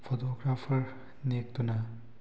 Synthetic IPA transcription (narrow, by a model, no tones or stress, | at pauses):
fʰot̪oːɡɾaːfʰəɾ | nek̚t̪una